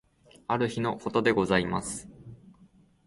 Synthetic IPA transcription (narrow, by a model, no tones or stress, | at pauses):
aɾɯ̟çino̞ko̞t̪o̞d̪e̞ɡo̞zaimasɨ̥